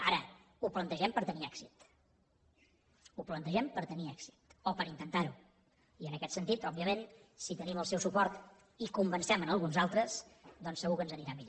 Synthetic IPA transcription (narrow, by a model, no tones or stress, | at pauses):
aɾə | uplənt̪əʒɛmpəɾt̪əniɛksit̪ | uplənt̪əʒɛmpəɾt̪əniɛkzit̪opəɾint̪ənt̪aɾu | iənəkɛt̪sənt̪it̪ɔbiəmẽnsit̪əniməlˠsɛwsupɔɾt̪ | ikumbənsɛmənəlˠɣunzalˠt̪ɾəsd̪ɔnsəɣukənzəniɾamiʎo